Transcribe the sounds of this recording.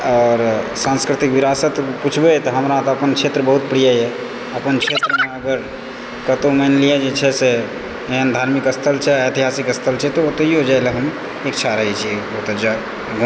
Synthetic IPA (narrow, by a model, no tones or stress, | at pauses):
ɔːɾsãnskɾɪt̪ikʋiɾaːsət̪put͡ʃʰbet̪ɔɦəmɾãt̪oəpənkʃʰet̪ɾəbəɦut̪̚pɾijaɦɛ | əpənkʰt͡ʃʰet̪ɾəmẽəɡəɾ | kət̪omɛnlijad͡ʒet͡ʃʰɛse | eɦənd̪ʱaːɾmikəst̪ʰəlt͡ʃʰɛəjt̪iɦaːsikəst̪ʰəlt͡ʃʰɛt̪oot̪oiɦod͡ʒaeleɦəm | ekt͡ʃʰaɾəɦɛt͡ʃʰiɛot̪əd͡ʒa | ɡ